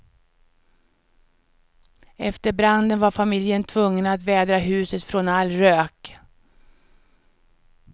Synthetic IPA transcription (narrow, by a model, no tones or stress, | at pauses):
ɛft̪əɾbɾand̪ənvaɾfamɪljənt̪ʰvɵŋːənat̪vɛːd̪ɾaɦʉ̟ːsət̪fɾɔnalːɾøːk